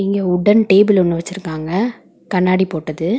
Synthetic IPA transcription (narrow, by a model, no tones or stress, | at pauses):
ɪŋɡeːʊɽɐnʈeːbɪlɔnːɯʋɐt͡ʃːɪɾɯkːaːŋɡɐ | kɐɳːaːɽipoːʈːɐðɯ